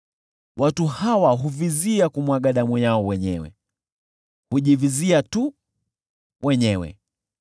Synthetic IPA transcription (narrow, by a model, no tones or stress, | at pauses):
wʔatuhawaɦuviziakumwaɠaɗamujaɔwɛɲɛ̰wɛ̰ | huʄiviziatu | wʔɛɲɛwɛ̰